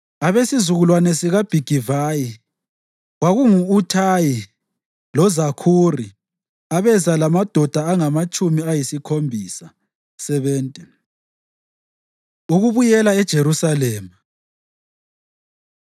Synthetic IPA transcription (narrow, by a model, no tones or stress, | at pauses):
aβesizuɣulwanɛsiɣab̥ʱiɡ̥ʱivaji | waɣuŋuːtʰaji | lɔzakʰuri | aβɛzalamad̥ʱɔd̥ʱaaŋamat͡ʃʼumiajisikʰombʱisa | sɛβɛːntʼɛ | uɣuβujɛlaɛd̥ʒ̥ʱeɾusalɛːma